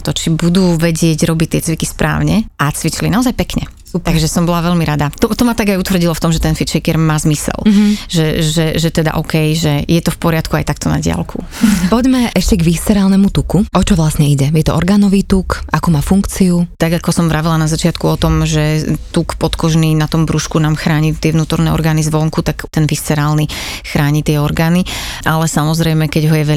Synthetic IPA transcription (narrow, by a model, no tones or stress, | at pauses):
t̪ɔt͡ʃibud̪uːʋɛɟɪɛɟɾɔbict̪ɪɛt͡sʋikispɾʔa̰ːʊɲɛʔat͡sʋit͡ʃlinaɔzajpɛkɲɛ̰ | aɡʒɛsɔmbɔlaʋɛʎmiɾad̪at̪ɔt̪ɔmat̪aɡajut̪ʋr̩ɟilɔft̪ɔmʒɛt̪ɛnfit͡ʃɛkɛɾmaːzmisɛ̰lʒɛʒɛʒɛt̪ɛd̪a̰ʔɔːkɛjʒɛjɛt̪ɔfpɔɾɪat̪kua̰jt̪ak̚t̪ɔna̰ɟɪa̰lkʰṵ | pɔɟmɛʔɛʃcɛɡʋist̪ɛɾaːlnɛmut̪ukuʔɔt͡ʃɔʋlasɲɛiɟɛjɛt̪ɔ̰ɔ̰ɾɡaːnɔʋiːt̪ukʔakuːmaːfuŋkt͡siut̪aɡakɔsɔmʋɾaʋilanazat͡ʃɪat̪kuɔt̪ɔmʒɛt̪ukpɔt̪kɔʒninat̪ɔmbɾuʃkunaːmxɾaːɲit̪ɪɛʋnuːt̪ɔɾnɛɔ̰ɾɡaːnizʋɔŋkut̪akt̪ɛnʋist͡sɛɾaːlnixɾaːɲit̪ɪɛɔɾɡaːniʔalɛsamɔzɾɛjmɛkɛɟɦɔjɛʋɛ